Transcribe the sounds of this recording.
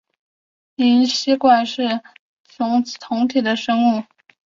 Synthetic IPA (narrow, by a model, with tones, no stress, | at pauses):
ni˧˥nɕi˥kwa˥˩nʂɻ̩˥˩ | t͡sʊ˧˥ŋt̪ʰʊ˧˥ŋt̪ʰi˨˩d̪ə˦ʂɤ˥ŋu˥˩